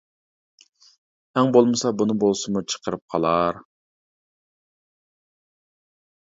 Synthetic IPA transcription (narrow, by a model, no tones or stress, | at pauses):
ɛŋbolˠmɨsɑbunɨbolˠsʊmut͡ʃʰə̥qʰəɾɨp̚qʰɑlˠɑɾ